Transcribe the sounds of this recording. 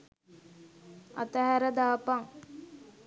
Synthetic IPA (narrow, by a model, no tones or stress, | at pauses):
a̰t̪əɦæɾəd̪aːpaŋ